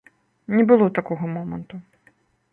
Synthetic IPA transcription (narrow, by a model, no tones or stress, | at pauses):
nʲɛbɨlˠɔt̪akɔɣɔmɔmɐ̰nt̪u